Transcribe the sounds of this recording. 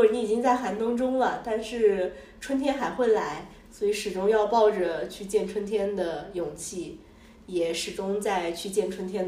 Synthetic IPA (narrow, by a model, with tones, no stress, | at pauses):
ɔ˥˩˧i˧˥i˨˩t͡ɕi˥ŋt͡sa˥˩ɪxa˧˥nt̪ʊ˥ŋʈ͡ʂʊ˥ŋlə˨t̪a˥˧nʂɻ̩˥˩ | ʈ͡ʂʰwə˥nt̪ʰjɛ˥nxa˧˥ɪxwe˥˩ɪla˧˥ɪ | swɔ˧˥i˧˥ʂɻ̩˨˩ʈ͡ʂʊ˥ŋjɑ˥˧ʊpɑ˥˩ʊʈ͡ʂə˩t͡ɕʰy˥˧t͡ɕjɛ˥˩nʈ͡ʂʰwə˥nt̪ʰjɛ˥nd̪ə˨jʊ˨˩ŋt͡ɕʰi˥˩ | jɛ˨˩ʂɻ̩˨˩ʈ͡ʂʊ˥ŋt͡sa˥˧ɪt͡ɕʰy˥˧t͡ɕjɛ˥˩nʈ͡ʂʰwə˥nt̪ʰjɛ˥n